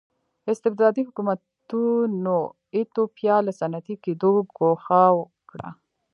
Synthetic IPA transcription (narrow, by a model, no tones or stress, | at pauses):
ɪst̪ɪbd̪ɑd̪ihʊkumat̪ | uno | it̪opjɑləsanat̪ikid̪oɡoxawə | kɽa̰